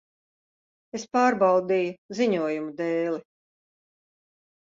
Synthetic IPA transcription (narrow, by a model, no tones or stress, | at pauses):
espaːɾbɑwd̪iːjuziɲuɔjumud̪ɛːli